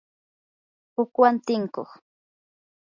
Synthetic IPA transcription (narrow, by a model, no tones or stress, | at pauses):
ʊkwant̪ɪŋko̰χ